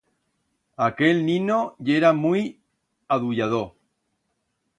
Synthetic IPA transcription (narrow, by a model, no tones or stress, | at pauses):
akelnĩnoʎeɾamuj | aðuʎað̞o